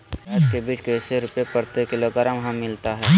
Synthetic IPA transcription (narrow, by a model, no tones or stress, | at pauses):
əd͡ʒkebiːt͡ʃkeseɾʊpepəɾt̪ekɪloɡəɾəmɦə̃mːɪlt̪aɦɛː